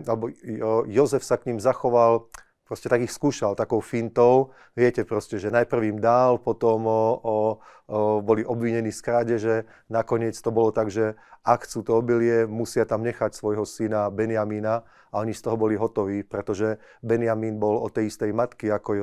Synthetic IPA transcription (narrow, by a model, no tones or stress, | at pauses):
alɛbɔjɔzɛfsakɲimzaxɔʋal | pɾɔscɛt̪aɡixskuːʃalt̪akɔʊfint̪ɔʊ | ʋɪɛcɛpɾɔscɛʒɛnajpr̩ʋimd̪alpɔt̪ɔm | bɔliʔɔbʋiɲɛniːskɾaːɟɛʒɛ | nakɔɲɪɛt͡st̪ɔbɔlɔt̪aɡʒɛakxt͡suːt̪ɔɔbiliɛmusɪat̪amɲɛxacsʋɔjɦɔsinabɛnɪamina | aɔɲist̪ɔɦɔbɔliɦɔt̪ɔʋiːpɾɛt̪ɔʒɛ | bɛnɪamiːnbɔlɔ̰t̪ːɛjist̪ɛjmat̪kiakɔj